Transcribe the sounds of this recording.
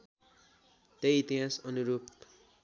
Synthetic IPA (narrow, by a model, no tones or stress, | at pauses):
t̪ejit̪iãsʌnuɾupt̪